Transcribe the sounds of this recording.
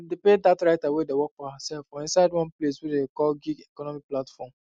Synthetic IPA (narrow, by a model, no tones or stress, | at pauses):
depedatɹaɪtawedewɔk̚fɔhəsɛlfɔ̃ĩnsaɪdwɔ̃npleswedekɔlɡiɡekɔnɔmiplatfɔm